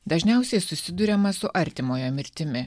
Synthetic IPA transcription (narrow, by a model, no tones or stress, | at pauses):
d̪ɐʒʲnʲɛˑʊsʲɛɪsʊsʲɪd̪ʊɾʲɛmɐsʊʔɐɾʲt̪ʲɪmoːjoːmʲɪɾʲt̪ʲɪmʲɪ